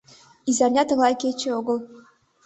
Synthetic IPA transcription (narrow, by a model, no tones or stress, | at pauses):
izɑrʲnʲɑt̪ɤ̆ɣlɑjkʲet͡ɕĕoɡɤ̆lˠ